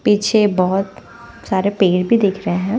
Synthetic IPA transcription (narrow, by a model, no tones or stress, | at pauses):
piːt͡ʃʰebɔɦʊt̪ | saːɾepeːɽbʱid̪eːkʰɾɐɦeɦɛ̃ː